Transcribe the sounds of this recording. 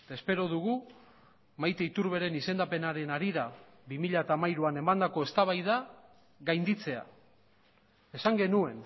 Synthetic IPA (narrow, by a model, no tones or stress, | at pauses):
t̪ae̞spe̞ɾo̞ðuɣ̞u | majt̪eit̪uɾβe̞ɾe̞nise̞nd̪ape̞naɾe̞naɾiða | βimiʎaet̪aːmajɾuane̞mand̪ako̞e̞st̪aβajða | ɣajnd̪it͡se̞a̰ | e̞saŋɡe̞nue̞n